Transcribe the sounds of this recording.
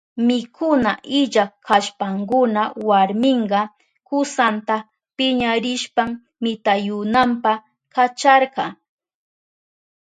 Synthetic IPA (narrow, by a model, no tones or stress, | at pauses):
mɪkʰʊnaʔɪʎakʰaʃpaŋkʊnawaɾmɪɴɢɑ | kʊsant̪a | pɪɲaɾɪʃpamː | ɪt̪ajʊnampa | kat͡ʃɑɾɢɑ